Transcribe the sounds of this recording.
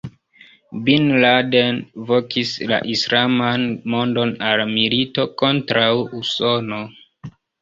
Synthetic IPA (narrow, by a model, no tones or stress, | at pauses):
binladenvo̞kisla̰ʔisɾamanmo̞ndo̞nalmilito̞ko̞ntɾawuso̞no̞